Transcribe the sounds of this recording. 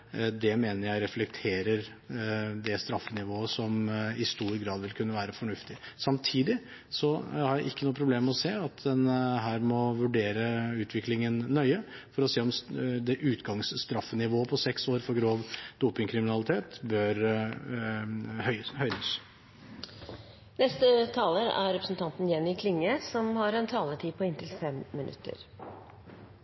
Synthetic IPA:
d̪ɛmeːnəɾjæɪɾɛflɛk̚t̪ʰeːɾəɾ | d̪ɛst̪ɾɑfːənɪʋoːəsɔmɪst̪uːɾɡɾɑːd̪ʋɪlkʰʉnːəʋæːɾəfɔɳʉft̪ɪsɑmt̪ʰiːd̪ɪ | sɔhɑɾjæɪʔɪkːənuːəpʰɾʊbleːmɔseːɑt̪d̪ɛnɦæːɾmɔʋʉɖeːɾəʉːt̪ʰʋɪklɪŋənːœʏəfɔɾɔseːɔmd̪ɛʔʉːt̪ɡɑŋsst̪ɾɑfːənɪʋoːəpʰɔsɛksoːɾfɔɾɡɾoːʋd̪̥uːpɪŋkʰɾɪmɪnɑlɪt̪ʰeːt̪bœɾ | hœhœʏd̪əs | nɛst̪ət̪ʰɑːləɾæ̰ɾɾɛpɾəsn̩t̪ʰɑnt̪njɛnːɪkʰlɪŋːəsɔmhɑɾɛnt̪ʰɑːlət̪ʰiːpʰɔɪnt̪ɪlfɛmːɪnʉ̰t̪ːə̰ɾ

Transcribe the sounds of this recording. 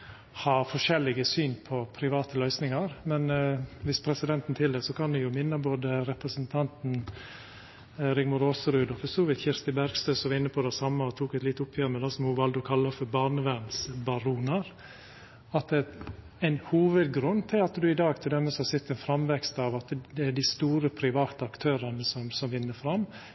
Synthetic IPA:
hɑːɾfɔʂɛlːɪɡəsyːnpʰɔpʰɾɪʋɑːt̪əlœʏsnɪŋɑɾmɛnʋɪspʰɾɛsɪd̪ɛnt̪n̩t̪ʰɪld̪ɛsɔkʰɑnd̪ɪjʊmɪnːəboːd̪əɾɛpɾəsənt̪ʰɑnt̪n̩ | ɾɪŋmʊɾoːsəɾʉːd̪ɔfɔstɔːʋiːt̪çɪɾst̪ɪbæɾɡst̪øːsɔʋɑɪnːəpʰɔd̪ɛsɑmːəɔt̪ʰuːkɛt̪lɪt̪ːʊpʰːjøːmɛd̪ɑsɔmhʊʋɑld̪ɔkʰɑlːəfɔbɑnəʋænsbɑɾuːnɑɾ | ɑt̪̚d̪ɛ | æɪnhuːʋəd̪ɡɾʉnːt̪ʰɪlɑt̪d̪ʉɪd̪ɑːɡ̚t̪ʰɪld̪ɛmːɛsɔhɑsɪt̪ːɛnfɾɑmʋɛkst̪ɑʋɑt̪d̪ɛːɖɪst̪uːɾəpʰɾɪʋɑːt̪əɑkt̪ʰøːɾənəsɔmsɔmʋɪnːəfɾɑmː

